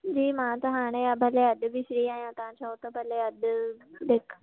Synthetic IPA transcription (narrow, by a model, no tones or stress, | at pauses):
d͡ʑiːmãt̪ɐɦaːɽ̃ẽabʱɐleɐd̪bɪsɽiaːɦjãt̪ɐʋãt͡ɕʰaot̪ɐbʱɐleɐd̪d̪eːk